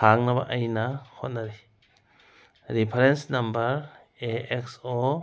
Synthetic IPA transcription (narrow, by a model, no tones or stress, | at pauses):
aŋnɐba̰ʔɐjnahot̚naɾi | ɾipʰɐɾensnɐmbɐɾ | eek̚so